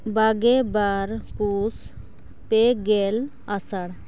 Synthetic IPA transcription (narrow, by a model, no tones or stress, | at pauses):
baɡebaɾpus | peɡel | asaɽ